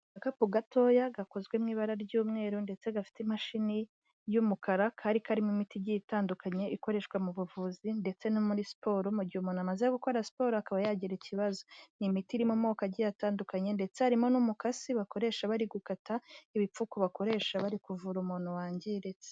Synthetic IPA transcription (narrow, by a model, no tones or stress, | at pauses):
akapuɡatʰo̞jaɡako̞zɡwemŋiːβaɾaɾɟuːmŋe̞ːɾunde̞t͡se̞ɡafi̥temaʃini | jumukaɾakʰaɾikʰaɾimumitiɟitaːndukʰaɲe̞iko̞ɾe̞ʃkwamuβuvuːzinde̞t͡se̞nomuɾisi̥po̞ɾomuɟihumuːnamazeaɡuko̞ɾasi̥po̞ːɾoakaβajaɟiɾeciβazonimitiɾimumo̞ːkaɟijataːndukaɲe̞nde̞t͡sehaɾimo̞numukasiβako̞ɾe̞ːʃaβaɾiɡukataiβip͡fukoβako̞ɾe̞ːʃaβaɾikuvuɾumuːn̥uwaːɲɟeɾet͡se̥